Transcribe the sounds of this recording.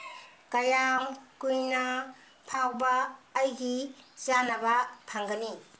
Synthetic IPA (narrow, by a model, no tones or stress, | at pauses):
kajaŋkujnɐ | pʰawbaːjɡizanabɐpʰaŋɡɐni